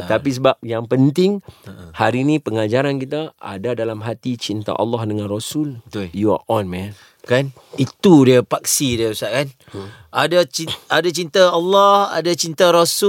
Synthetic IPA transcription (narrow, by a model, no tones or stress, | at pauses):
t̪ap̬is̬əbap̚jaŋpənt̪ɪŋhaɾinĩpəŋad͡ʒaɾankit̪aa̰dadalamɦat̪it͡ʃint̪a̰ʔɑ̰lːɔhdəŋãnrosuljua̰ʔɔnmɛ̃n | kan | it̪udiəpaksidiəusaʔkan | ʔadat͡ʃiadat͡ʃint̪aːlːɔha̰dat͡ʃint̪aɾosu